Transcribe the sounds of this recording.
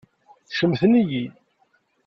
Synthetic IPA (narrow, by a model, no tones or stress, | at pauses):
θʃəmθəniji